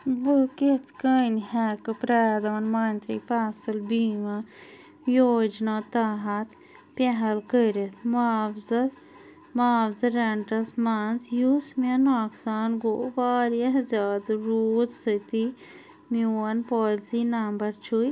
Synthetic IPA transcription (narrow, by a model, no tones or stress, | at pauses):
bəket̪ʰkənhɛːkɨpɾaːd̪aːnmaːnt̪ɾḭfaːsɨlbiːma | joːd͡ʒnaːt̪aːɦɐt̪ | pʲeɦɐlkəɾet̪ʰmafzɐs | maːʋzɐɾɐɳʈɐsmaːnzjusmenaːksaːnɡoːʋaːɾɐɦzʲaːd̪ɾuːt̪sət̪i | miwɐnpoːlzinambɐɾt͡ʃʰuj